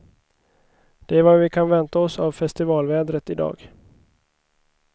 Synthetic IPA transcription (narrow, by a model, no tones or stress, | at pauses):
d̪̥ɛæɾvaɾvɪkʰanvɛnt̪aɔsavfɛst̪ɪvɑːlvɛːd̪ɾət̪ɪd̪ɑ̰ːɡ